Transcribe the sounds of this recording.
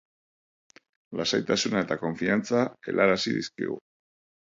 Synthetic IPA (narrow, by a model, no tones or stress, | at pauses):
lasajt̪asunaet̪ako̞ɱfiant͡sae̞̰lʔaɾasiðḭskḭɣṵ